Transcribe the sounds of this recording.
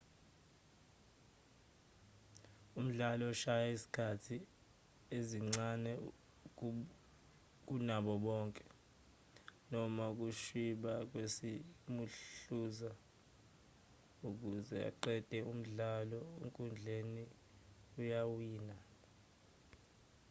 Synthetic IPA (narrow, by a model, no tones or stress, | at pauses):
um̩ɮalɔʃajaisi̥kʰatʰi | eziŋ͡ǀanɛ | k̬unaɓɔɓɔːŋkʼɛ̥ | nɔmak̬uʃiɓak̬wesimuɬuːza | uk̬uzɛa̰ǃɛd̥ʱɛum̩ɮalɔḛŋkʼund͡ɮʱeni | ujawiːna